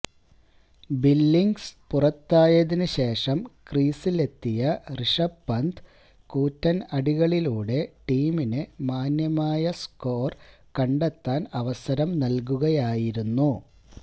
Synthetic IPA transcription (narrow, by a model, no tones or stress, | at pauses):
bilːiŋɡspurɐt̪ːaːjɐðinɨɕe̞ːʂɐmkriːsile̞t̪ːijɐriʂɐbːɐnd̪ | kuːtːɐnɐɽiɣɐɭiluːɽe̞ʈiːminɨmaːnjɐmaːjɐsko̞ːr | kɐɳɖet̪ːaːnɐʋɐsɐɾɐmnɐlk̬uɣɐjaːjiɾunːu